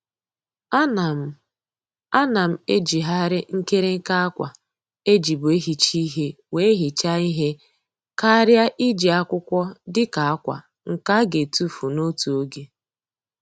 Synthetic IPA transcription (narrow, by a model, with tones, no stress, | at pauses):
a˦na˨m˨ | a˦na˨m̩˨e˦d͡ʒi˨ɦa˦ɾɪ˦ŋ̩˦ke˦ɾe˦ŋ̩˦ka˦a˦kʷa̰˨ | e˦d͡ʒi˨bʊ˨e˦ɦi˨t͡ʃi˦ɦe˦ | we˨e˦ɦi˨t͡ʃa˦i˦ɦe˦ | ka˦ɾja˦ʔi˦d͡ʒi˨a˦kʷʊ˦kʷɔ˦dɪ˦ka˨a˦kʷa̰˨ | ŋ̩˨ka˦ɡe˨tu˦fu˨no˦tu˨o˦ɡe˦